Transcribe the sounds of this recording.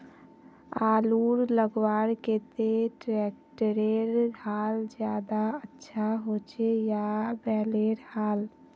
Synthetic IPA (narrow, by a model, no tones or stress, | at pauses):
aluɾləɡwaɾket̪eʈɾɛkʈəɾeɾɡʱald͡ʒjad̪aətːʃʰaɦot͡ʃejabɛːleɾhaːl